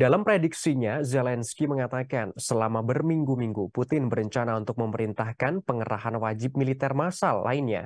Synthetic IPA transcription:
dalampɾediksiɲazɛlɛnskiməŋat̪akansəlamabərmiŋɡumiŋɡuput̪ɪnbəɾəɲt͡ʃanaunt̪ʊk̚məməɾint̪ahkanpəŋəɾa̰ɦanwad͡ʒɪp̚milit̪ɛrmasalːa̰inɲa̰

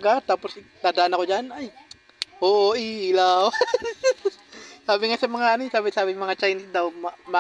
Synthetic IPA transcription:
ɡat̪aːposd̪aːd̪ɐʔanɐkod͡ʒanaj | ʔoːʔoʔiːlaːwa | saːbɪŋasɐmɐŋaʔɐnosaːbɪsaːbɪŋmɐŋat͡ʃajnɪsd̪ɐwmɐmɐ

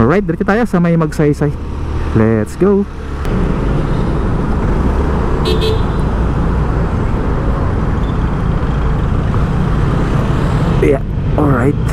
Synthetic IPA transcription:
ɔlɹajt̪̚d̪ɐɾɛt͡ʃ̪ːʊt̪aːjosɐmɐjmɐɡ̚sɐjsaj | lɛt̪sɡow | ja | ʔɔɹajt̪̚

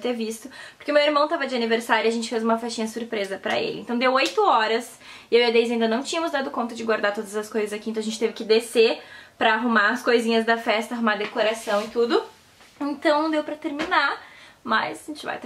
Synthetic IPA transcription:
t̪eɾvist̪ʊpoɾkeɪʊmewɪɾmɐ̃w̃t̪avɐd͡ʒɪɐniveɾsaɾjʊɐʒẽnt͡ʃɪfezũmɐfɛst͡ʃĩɲɐsuɾpɾezɐpɾɐ̰ḛlɪ̰̃nt̪ɐ̃w̃d̪ewojt̪ʊɔɾɐs | ɪewiɐd̪ejzaĩd̪ɐnɐ̃w̃t͡ʃĩɲɐmʊzd̪ad̪ʊkõnt̪ɐd͡ʒɪɡwaɾd̪aɾt̪od̪ɐzɐskojzɐzakĩt̪ʒẽt͡ʃɪt̪evɪkɪd̪esepɾɐːɦumaɐskojzĩɲɐzd̪ɐfɛst̪ɐaɦũmaɾd̪ekoɾasɐ̃w̃ɪt̪ud̪ʊ | ẽnt̪ɐ̃w̃ñd̪ewpɾɐt̪eɾminaɾmɐzʒẽt͡ʃɪva̰jt̪

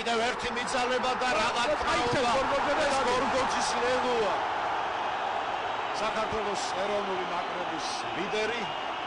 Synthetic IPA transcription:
id̪ɛvɛɾt̪ʰimid̪zalɛbad̪aɾalaaɔɾɡɔd͡ʒɛaɡɔɾɡɔzisɾɛlua | sakʰaɾt̪ʰwɛlˠɔshɛɾɔvnulimakʼɾɛbis | lid̪ɛɾi

